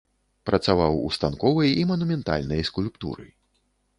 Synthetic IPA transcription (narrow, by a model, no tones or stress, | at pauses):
pɾɐt̪savawṵst̪ankɔvɐjimɐnumʲɛnt̪a̰lʲnɐjskulʲpt̪ṵɾɨ̰j